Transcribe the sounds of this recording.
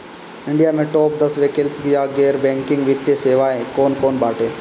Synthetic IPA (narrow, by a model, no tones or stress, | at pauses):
ɪɳɖɪjamẽʈoːp̚d̪ɐsʋekɪlpɡjaɡeːɾbẽːŋkɪ̃ŋɡʋɪt̪ːeseːʋaːekoːnkoːnbaːʈeː